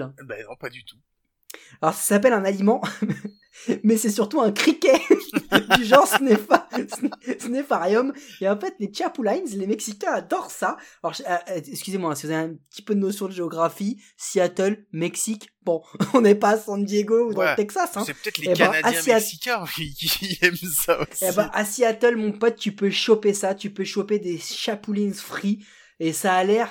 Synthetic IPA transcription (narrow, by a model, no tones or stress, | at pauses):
bɛ̃pad̪yt̪u̥ | lɔʁsḁsap̬ɛlɛ̃nalimɑ̃ | mɛsɛsyʁt̪uɛ̃kχikʲɛ | d̪yʒɑ̃ʁsnefasnsnefaʁjɔmeɑ̃fɛt̪let͡ʃapulajnzlemɛksikʲɛ̃ad̪ɔʁsaɔʁʃaɛkskʲyzemwapskəvuzaveɛ̃pə̥t̪i̥pød̪ənɔsjɔ̃d̪əʒeɔɡʁafi | siat̪ɔlmɛksikb̥ɔ̃ɔ̃nɛpaːsɑ̃d̪jeɡoud̪ɑ̃lt̪ɛksasɛ̃pt̪ɛlɛãasiaikɛ̃ikʲiɛmsaoebɛ̃ʔasiat̪ɔlmɔ̃pɔt̪̚ːypøʃɔpesat̪ypøʃɔped̪eʃapulinzfχi | esaːlɛʁ